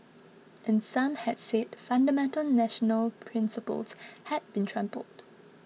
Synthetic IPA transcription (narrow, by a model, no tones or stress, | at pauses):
ʔɛ̃nsãmhɛdsed̚fãndəmɛ̃ntəlnɛʃənəlpʰɹɪ̃nsəpə̰lshɛd̚bĩntʰɹɛ̃mpə̰ld̥